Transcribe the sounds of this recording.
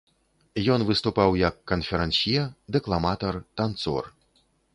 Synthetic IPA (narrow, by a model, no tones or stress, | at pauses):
jɔnvɨst̪upawjɐkːɐnfʲɛɾɛnsʲijɛd̪ɛklˠamat̪ɐrt̪ant̪sɔ̰r